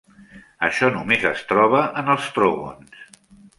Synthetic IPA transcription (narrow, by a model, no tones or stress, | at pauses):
əʃɔnumezəst̪ɾɔβəʔənəlˠst̪ɾoɣo̰ns